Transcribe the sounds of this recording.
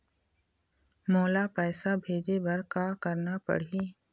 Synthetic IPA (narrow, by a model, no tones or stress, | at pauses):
mɔːlapɛːsabʱeːd͡ʒebɐɾkakɐɾnapɐ̰ɽɦiː